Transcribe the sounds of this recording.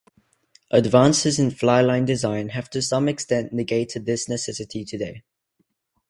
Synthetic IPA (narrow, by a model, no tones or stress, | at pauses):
ʔədvɑ̃ˑnsɪzɪ̃nflaɪlãɪ̃ndɪzãɪ̃nhəv̥tʰəsʌ̃mɪkstɛ̃nʔnɪɡeɪtʰɪd̪̚ðɪsnɨsɛsɪtʰitʰədeɪ